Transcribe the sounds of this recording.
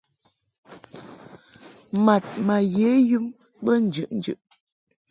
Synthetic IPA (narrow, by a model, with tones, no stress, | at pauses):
ma˨t̚ma˨je˨˦jʉ˦m | bə˦n̩˨d͡ʒʉ˨ʔn̩˦d͡ʒʉ̰˨ʔ